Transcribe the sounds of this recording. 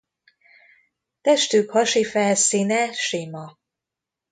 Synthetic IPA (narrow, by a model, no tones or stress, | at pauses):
t̪ɛʃt̪yːkhɒʃifɛlsiːnɛʃiːmɒ